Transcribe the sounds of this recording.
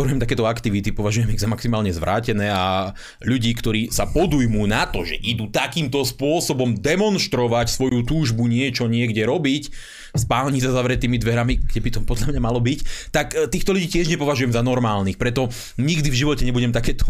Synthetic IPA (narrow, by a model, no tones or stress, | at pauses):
ɛɾujɛmt̪akɛːt̪ɔakt̪iʋit̪ipɔʋaʒujɛmiɣzamaksimaːlɲɛzʋɾa̰ːcɛnɛːa | ʎuɟiːkt̪ɔɾiːsapɔd̪ujmunat̪ɔʒɛ̰ʔid̪uːt̪akiːmt̪ɔspʊɔsɔbɔmd̪ɛmɔnʃt̪ɾɔʋacsʋɔjut̪uːʒbuɲɪɛt͡ʃɔɲɪɛɡɟɛɾɔbic | spaːlɲis̬azaʋɾɛt̪ːiːmid̪ʋɛɾamiɡɟɛbit̪ɔpɔd̪ʎamɲamalɔbict̪akt̪iːxt̪ɔluɟiːcɪɛʒɲɛpɔʋaʒujɛmzanɔɾmaːlnixpɾɛt̪ɔ | ɲiɡd̪ivʒiʋɔcɛɲɛbuɟɛmt̪akɛːt̪ɔ̥